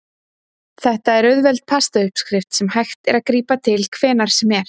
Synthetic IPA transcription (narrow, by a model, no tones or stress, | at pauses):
θɛht̪aɛɾœðvɛlt̪̚pʰast̪aʏhpskɾɪft̪sɛmhajxt̪ɛɾaðkɾiːpat̪ʰɪlkʰvɛːnaɾ̥sɛmɛɾ̥